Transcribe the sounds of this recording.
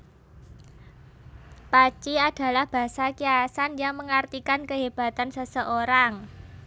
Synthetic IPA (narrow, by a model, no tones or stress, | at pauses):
pat͡ʃiad̥a̤lahb̥a̤sakiasanjaŋməŋart̪ikankəɦeb̥a̤t̪ansəsəʔoɾaŋ